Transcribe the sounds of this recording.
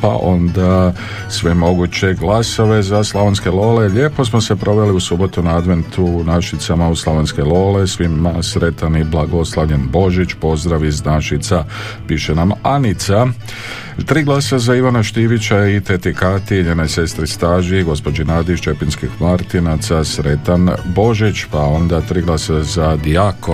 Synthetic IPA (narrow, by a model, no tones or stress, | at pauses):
pa̰ʔo̞nd̪a | sʋemo̞ɡut͡ɕe̞ɡlaso̞ʋe̞zaslˠaʋonske̞lo̞ːle̞ʎe̞ːpo̞smo̞se̞pɾo̞ʋe̞liusubo̞t̪unaad̪ʋe̞nt̪ʰunaʃit̪samauslˠaʋonske̞lo̞ːle̞sʋimasɾe̞t̪aniblˠaɡo̞slˠaʋʎenbo̞ʒit͡ʃpo̞zd̪ɾaʋiznaʃit̪sa | piʃenamanit̪sa | t̪ɾiːɡlˠaːsazaiʋanaʃt̪iʋit͡ɕait̪et̪ikat̪iɲe̞ːno̞jse̞st̪ɾist̪aːʒiɡo̞spo̞d͡ʒinaːd̪iʃt͡ʃe̞pinskixmaɾt̪inat̪sasɾe̞t̪anbo̞ʒit͡ʃpao̞nd̪at̪ɾiːɡlˠaːsazad̪iako